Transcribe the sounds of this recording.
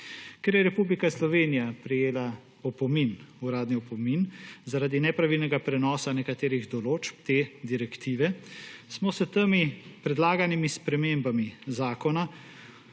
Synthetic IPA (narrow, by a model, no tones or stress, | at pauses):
kɛɾjɛɾɛpublikaslɔʋeːnijapɾɛjeːla | ɔpɔminuɾaːd̪niɔpɔminzaɾaːd̪inɛpɾaʋilnɛɡapɾɛnɔːsanɛkat̪eːɾiɣd̪ɔloːt͡ʃpt̪eːd̪iɾɛkt̪iːʋɛsmɔsət̪əmipɾɛd̪laːɡanimispɾɛmembamizaːkɔna